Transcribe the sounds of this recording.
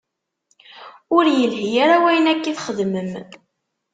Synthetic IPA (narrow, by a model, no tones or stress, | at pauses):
ʊɾjəlhijaɾawæjənækːiθχəðməm